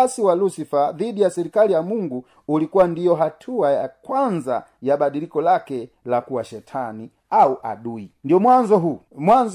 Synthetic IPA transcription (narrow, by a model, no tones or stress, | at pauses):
siwalusifaðidijasɛɾikalijamuŋɡuː | likuwandijɔɦatʰuajakwanza̰jabaɗilikɔlakɛ | lakuwaʃɛtʰani | auʔa̰ɗuindijɔmwanzɔɦu | mwanz